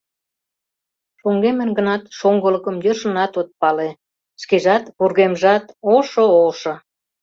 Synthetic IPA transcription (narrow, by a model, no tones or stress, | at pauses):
ʃoŋɡemə̆nɡə̆nɑt̪ʃoŋɡələkəmjəʃə̆nɑt̪ot̪̚pɑle | skeʒɑt̪βurɣemʒɑt̪oʃooʃŏ